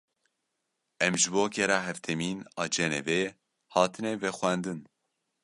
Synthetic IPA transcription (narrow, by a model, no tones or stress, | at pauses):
ɛmʒɨboːkʰɛɾɑːɦɛft̪ʰɛmiːnɑːd͡ʒɛnɛvɛjɛ | hɑːt̪ʰɨnɛvɛxʷænd̪ɨn